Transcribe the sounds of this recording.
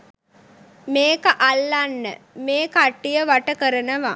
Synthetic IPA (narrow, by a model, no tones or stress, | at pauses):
meːkəʔalːanːəmeːkaʈːijəʋaʈəkəɾənəʋa